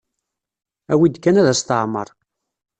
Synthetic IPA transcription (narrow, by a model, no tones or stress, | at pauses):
æwid̪kːænæðæst̪əʕmə̰ɾˤ